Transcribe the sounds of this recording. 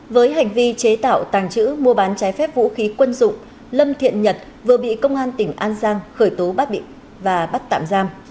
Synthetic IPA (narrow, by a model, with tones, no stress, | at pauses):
vəː˨˦jɦa˨˩jŋ̟vi˧t͡ɕe˨˦t̪a̰ː˧˨wt̪aː˨˩ŋt͡ɕɨ̰˧˥mu˧əɓaː˨˦nt͡ɕaː˨˦jfɛ˦˥p̚vṵ˧˥xi˨˦kwə˧nzʊ̰˧˨ŋ͡m | lə˧mt̪ʰḭ˧˨ənɲə˨˩t̚ | vɨ˨˩əɓḭ˧˨kə˧wŋ͡mʔaː˧nt̪ï˧˩ŋ̟ʔaː˧nzaː˧ŋxəː˧˩jt̪o˨˦ɓa˦˥t̚ɓḭ˧˨ŋ | vaː˨˩ɓa˦˥t̚t̪a̰ː˧˨mzaː˧m